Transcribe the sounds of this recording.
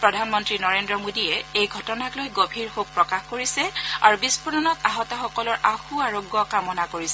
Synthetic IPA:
pɹɔdʱanmɔntɹinɔɹendɹɔmodijɛejɡʱɔtɔnaklojɡobʱiɹhok̚pɹɔkaxkoɹisɛaɹubispuɹnɔnɔtaɦɔtɔxɔkɔlɔɹʔaxuaɹoɡːɔkamɔnakoɹisɛ

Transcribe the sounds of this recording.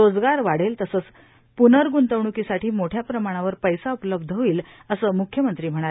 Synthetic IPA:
od͡zɡaɾʋaɽ̤elt̪əsəːt͡s | punəɾɡunt̪əʋɳ̃ukisaʈʰiːmoʈʰjapɾəmaɽ̃aʋəɾpəjsaupləb̚d̪ʱəʋiːl | əsəːmukʰjəmənt̪ɾiːm̤əɽ̃aɾ

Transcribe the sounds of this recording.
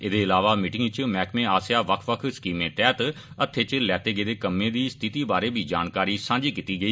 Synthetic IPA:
ɪd̪eːɪlaːʋaːmɪʈɪŋt͡ʃmɛːkʰmẽːaːsjaːʋəkʰʋəkʰskiːmẽːt̪ɛːt̪ | ət̪ʰːeːt͡ʃlɛːt̪eːɡəeːd̪eːkəmːẽːd̪iːst̪ʰɪt̪iːbaːɾeːbʱiːd͡ʒaːnkaːɾiːsãːɲd͡ʒiːkiːt̪iːɡəiː

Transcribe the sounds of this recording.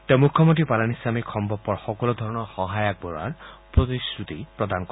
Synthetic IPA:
t̪ẽmukʰːɔmɔnt̪ɹipalanislamikʰɔmbʱɔpːɔɹxɔkɔlɔd̪ʱɔɹɔnɔɹxɔɦajak̚bɔɹa̰ɹpɹɔt̪isɹut̪ipɹɔd̪ankɔ

